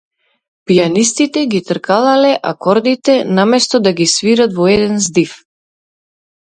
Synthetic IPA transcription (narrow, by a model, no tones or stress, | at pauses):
pijanist̪it̪ɛɡit̪rkalˠalɛʔa̰kɔɾd̪it̪ɛnamɛst̪ɔd̪aɡisviɾat̪vɔɛd̪ɛnzd̪if